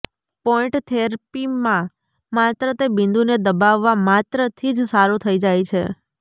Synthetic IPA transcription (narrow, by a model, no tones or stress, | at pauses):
pɔɪ̃ʈt̪ʰeɾpimã | mat̪ɾət̪ebɪ̃nd̪uned̪əbaʋːamat̪ɾət̪ʰid͡ʒsaɾut̪ʰəid͡ʒajt͡ʃʰe